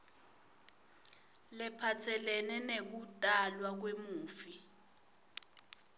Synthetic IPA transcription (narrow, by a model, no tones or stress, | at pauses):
lɛpʰatʰɛlɛnɛnek̬utʼalwak̬wemuːfi